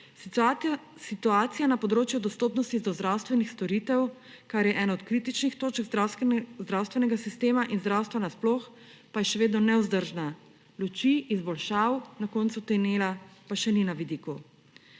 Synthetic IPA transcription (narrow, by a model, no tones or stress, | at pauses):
sit̪uaːt̪sijanapɔd̪ɾoːt͡ʃjud̪ɔst̪oːpnɔst̪id̪ɔzd̪ɾawst̪ʋɛnixst̪ɔɾiːt̪ɛw | kaɾjɛʔɛːnaɔt̪kɾit̪it͡ʃnixt̪oːt͡ʃkzzd̪ɾawst̪ʋɛnɛɡasist̪eːmaʔinzd̪ɾawst̪ʋɛnasplɔx | pajɛʃɛʋeːd̪nɔnɛuzd̪əɾʒna | lut͡ʃiʔizbɔlʃawnakɔːnt̪sut̪eneːlapaʃɛninaʋid̪iːku